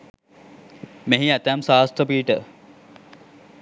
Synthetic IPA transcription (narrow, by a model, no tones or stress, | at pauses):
meɦiæt̪æmsaːst̪əpiːʈə